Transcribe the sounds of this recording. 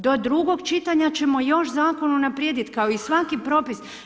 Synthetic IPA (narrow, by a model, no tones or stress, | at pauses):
d̪o̞d̪ɾuɡo̞ɡt͡ʃit̪aɲat͡ɕe̞mo̞jo̞ʃzaːko̞nunapɾjed̪it̪kaoisʋakipɾo̞pis